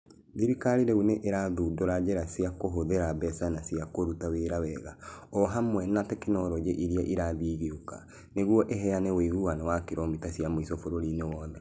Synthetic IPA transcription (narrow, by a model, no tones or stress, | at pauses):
ðiɾikaɾiɾeuneʔeɾaðudoɾad͡ʑɛɾasiakoɦoðeɾabɛsanasiakoɾutaweɾawɛɣaɔɦamwɛnatɛkinɔɾɔd͡ʒeʔiɾiaʔiɾaðiɣeuka̰ | neɣwɔʔeɦɛanɛwiɣuanɔwakeɾɔmitasiamoisɔfoɾoɾinewɔːðɛ